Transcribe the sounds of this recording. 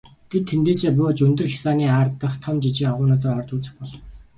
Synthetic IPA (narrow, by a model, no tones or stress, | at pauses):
t̪ʰet̪ʰːent̪eːseːp̬ʊːt͡ɕɵnt̪ɵ̆rxʲḁsaːniːaːrt̪ːə̆χt̪ʰɔmt͡ɕit͡ɕiːŋaʁʊːnɔːt̪̬əːrɔrt͡ɕuːt͡sə̥̆χpɔɮɞ